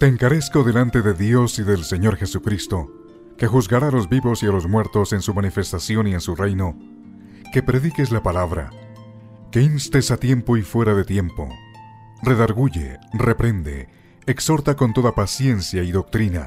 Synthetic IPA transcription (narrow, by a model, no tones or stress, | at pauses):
t̪e̞ːŋkaɾe̞sko̞ðe̞lant̪e̞ðe̞ðjo̞siðe̞lse̞ɲo̞ɾxe̞sukɾist̪o̞ | ke̞xuzɣaɾaːlo̞zbiβo̞sialo̞zmwe̞ɾt̪o̞se̞nsumanife̞st̪asjo̞nie̞nsurejno̞ | ke̞pɾe̞ðike̞slapalaβɾa̰ | ke̞inst̪e̞sat̪je̞mpo̞ifwe̞ɾaðe̞t̪je̞mpo̞̰ | re̞ðaɾɣuʝḛre̞pɾe̞nd̪e̞̰ː | kso̞ɾt̪ako̞nt̪o̞ðapasje̞nsjaiðo̞k̚t̪ɾina̰